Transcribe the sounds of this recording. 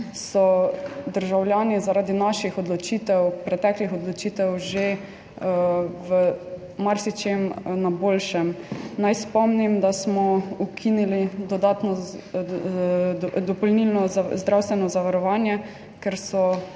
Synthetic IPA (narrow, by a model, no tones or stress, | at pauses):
sɔd̪əɾʒawlʲjaːnizaɾaːd̪inaʃixɔd̪lɔt͡ʃiːt̪ɛwpɾɛt̪ɛklixɔd̪lɔt͡ʃiːt̪ɛwʒe | wə | maɾsit͡ʃemnaboːlʃɛmnajspɔmnimd̪asmɔukʰinilid̪ɔd̪aːt̪nɔ | d̪ɔpɔlnilnɔzd̪ɾawst̪ʋɛnɔzaʋaɾɔʋaːnjɛ | kɛɾsɔ